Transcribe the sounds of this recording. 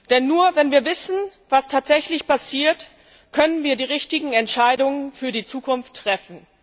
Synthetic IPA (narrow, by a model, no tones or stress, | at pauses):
d̥ɛnːuːɐvɛnviːɐvɪsn̩vastʰaːtz̥ɛçlɪçpʰasiːɐt | kʰœnənviːɐdiːʁ̞ɪçtɪɡŋ̩ɛntʃaɪdʊŋənfyːɐdiːt͡suːkʊnftːʁ̥ɛfn̩